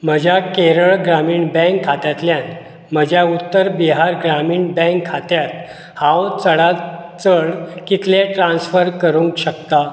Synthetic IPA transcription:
m̤əd͡ʑʱjakeɾəɭɡɾamiːɳbɛ̃ŋkʰːat̪jat̪ljãn | m̤əd͡ʑʱjaut̪ːəɾbiɦaɾɡɾamiːɳbɛ̃ŋkʰːat̪jat̪ | hãwt͡səɽat͡səɽkit̪leʈɾãnsfəɾkəɾũːŋkɕəkt̪a

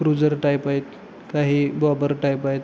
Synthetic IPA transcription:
ɾud͡zəɾʈajpajt̪̚ | kaɦiːbɔbəɾʈajpajt̪

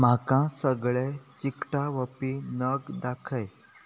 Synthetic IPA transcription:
m̤akãsəɡɭet͡ɕikʈaʋəpinəɡd̪akʰəj

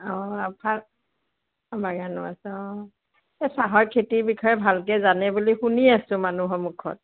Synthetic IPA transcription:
ɔapʰa | baɡanʊa̰sɔ | ɛsaɦɔjkʰetibikʰɔjɛbʱalk̬ɛzanɛbulixuniasʊ̃manuɦɔmukʰɔ̰t̚

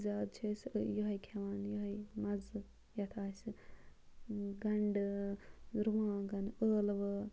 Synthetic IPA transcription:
zʲaːd̪̚t͡ʃʰeːsʲjoɦɐjkʲʰɐʋaːnjoɦɐjmɐzɨ | jɐt̪ʰaːsʲi | ɡɐɳɖɨ | ɾuʋãːŋɡɐnəːlʋɨ

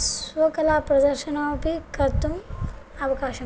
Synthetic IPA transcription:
sʋɐkɐlaːpɾɐd̪ɐɾʃɐnapikɐɾt̪umɐʋɐkaːʃɐ

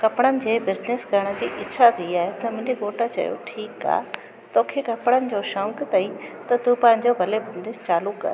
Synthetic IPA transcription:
kɐpɽ̃ənɪ̆d͡ʑeːbɪzneskɐɾəɽ̃ə̆d͡ʑiːʔɪːt͡ɕʰat̪ʰiiaːɦet̪ɐmʊ̃ɦɪ̃ɲd͡ʑekoːʈat͡ɕɐ̰jo̰ʈʰiːka̰ː | t̪oːkʰekɐpɽ̃ənɪ̆d͡ʑoʃɐ̃ŋkt̪ɐit̪ɐt̪upɐ̃ɦɪ̃ɲd͡ʑobʱɐlebʱɐnd̪ɪst͡ɕaːlukɐ̰ɾ

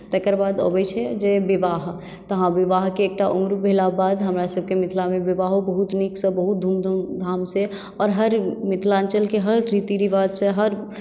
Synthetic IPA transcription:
t̪ɛɦkəɾbaːd̪o̰bɛt͡ʃʰɛd͡ʒeʋɪʋaːɦ | t̪əɦãʋɪʋaːɦkeːk̚ʈaʔʊmɾbʱelabaːd̪ɦəmɾasəb̚kemɪt̪ʰlamẽʋɪʋaːɦobəɦut̪niksəbəɦut̪̚d̪ʱuːmd̪d̪ʱaːmse | ɔːɾɦəɾmɪt̪ʰlaːnt͡ʃəlkeɦəɾːit̪iɾiʋad̪seɦəɾ

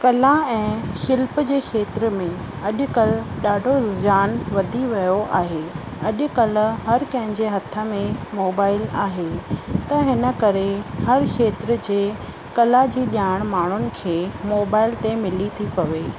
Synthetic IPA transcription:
kɐlãɛ̃ːxɪlpəd͡ʑeːkʰeːt̪ɾəmẽ | ɐʄʊ̆kɐlɗaːɖʱod͡ʑaːnʋɐd̪ʱiʋɐjoʔa̰ːɦe | ɐʄʊ̆kɐlɦɐɾkɐ̃ɦɪ̃ɲd͡ʑeɦɐt̪ʰə̆mẽmoːbaːɪlaːɦet̪ɐɦɪnə̆kɐɾehɐɾkʰeːt̪ɾə̆d͡ʑeː | kɐlad͡ʑiːɗjaːɪɽ̃maːɳ̤ʊnɪ̆kʰeːmoːbaːɪlt̪emɪlit̪ʰipɐʋeː

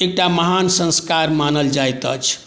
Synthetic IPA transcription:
ek̚ʈaməɦansə̃nskaɾmanəld͡ʒajt̪ə̰t͡ʃʰ

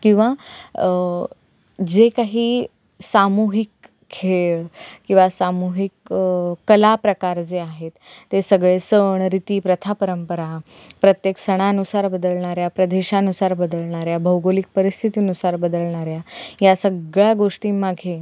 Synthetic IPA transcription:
kĩw̃ʋa | d͡zekaɦiː | samuɦikʰː | eɭkĩw̃ʋasamuɦikː | əlapɾəkaɾd͡zeaɦet̪ːesəɡɭesəɳɾit̪iːpɾət̪ʰapəɾəmpəɾa | pɾət̪jeksəɽ̃aənusaɾbəd̪əlɳ̃aɾjapɾəd̪eɕanusaɾbəd̪əlɳ̃aɾjabʱəwɡolik̚pəɾist̪ʰit̪iənusaɾbəd̪əlɳ̃aɾjajasəɡɭjaɡoʂʈiːmaɡʱe

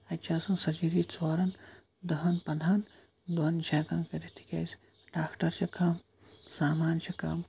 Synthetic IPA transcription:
ɐt͡ʃʰaːsɐnsɐd͡ʒiɾit͡soːɾɐn | d̪ɐɦɐnpɐd̪ʱan | d̪ɐnt͡ʃʰaːkɐnkɐɾit̪ʰi̥kʲɐ̰ːs | ɖaːkʈɐɾt͡ʃʰɐkʰɐm | saːmaːnt͡ʃʰɐkɐ̰ːm

